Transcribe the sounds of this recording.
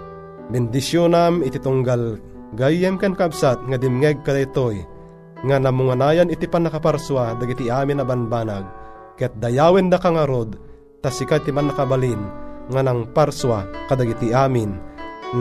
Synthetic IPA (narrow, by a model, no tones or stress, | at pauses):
bɛnd̪isjonamit̪it̪uŋɡal | ɡajːɛmkankabsat̪̚ŋad̪imŋɛɡ̚kad̪aʔit̪oj | ŋanamuŋanaːjanit̪ipanːakapaɾswad̪aɡit̪iaːminabanbaːnaɡ̚ | kɛt̪̚d̪ɐjaːwɛnd̪akaŋaɾod̪̚ | t̪asikat̪imanːakabalinŋanaŋpaɾswakad̪aɡit̪iʔaːmin